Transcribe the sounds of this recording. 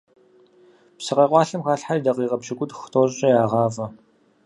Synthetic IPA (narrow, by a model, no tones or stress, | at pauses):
psɨqɐqʷɑːɬɨmxaːɬħaidɐqiːqɐpɕɪɡʷʊtxtʰoːɕʼɐjaːʁɑːvɐ